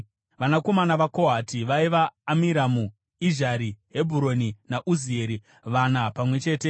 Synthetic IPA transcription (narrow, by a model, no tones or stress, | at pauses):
ʋanako̞manaʋako̞ɦatiʋaiʋaːmiɾamu | iʒaɾiɦe̞bʱuɾoninaʔuzie̞ɾi | ʋanapamwe̞t͡ʃe̞ːte̞